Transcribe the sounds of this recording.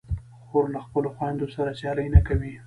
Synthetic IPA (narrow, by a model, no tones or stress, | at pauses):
xoɾlaxpəloxwajnd̪osaɾat͡ʃɑləjnakawi